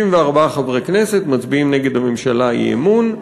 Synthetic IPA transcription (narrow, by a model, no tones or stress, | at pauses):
imveaʁbaaχabʁekneset̪mat͡sbiimneɡe̞d̪hame̞mʃalaḭḛmun